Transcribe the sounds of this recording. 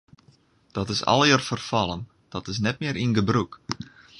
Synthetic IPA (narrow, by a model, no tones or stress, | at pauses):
d̥ɔtɪsɔ̰lˠjərfərfɑlˠən | d̥ɔtɪs̬nɛt̚mɪːəɾʔinɡəbruk